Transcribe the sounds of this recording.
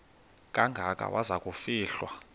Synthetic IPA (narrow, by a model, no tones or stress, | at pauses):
k̬ʼaŋɡʱakʼa̰wʔazakʼufiːɬwa